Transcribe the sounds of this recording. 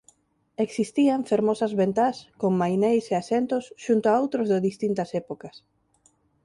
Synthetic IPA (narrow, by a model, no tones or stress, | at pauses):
eksist̪iaɱfeɾmosɐzβent̪askoŋmajnejseasent̪osʃunt̪oaowt̪ɾozðɪðist̪int̪ɐsɛpokɐs